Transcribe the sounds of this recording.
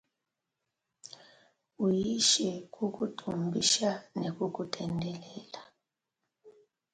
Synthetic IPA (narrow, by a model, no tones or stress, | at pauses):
ujiʃɛk̬ʼuk̬ʼutʼʰumbʱiʃanekuk̬ʼutʰʼɛndʱɛlɛːla